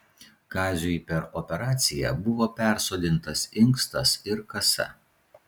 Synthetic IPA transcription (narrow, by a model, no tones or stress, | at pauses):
ɡɑːzʲʊpʲɛɾɔpʲɛɾɑːt̪sʲɪjɛ̰bʊʋoːpʲæˑɾsoːd̪ʲɪnt̪ɐsɪŋkst̪ɐsɪɾkɐsɐ̰